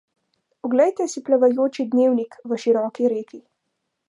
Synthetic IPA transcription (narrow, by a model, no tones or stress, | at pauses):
ɔɡlɛjt̪ɛsiplaʋajoːt͡ʃid̪neːwnikʋəʃiɾɔːkiɾeːki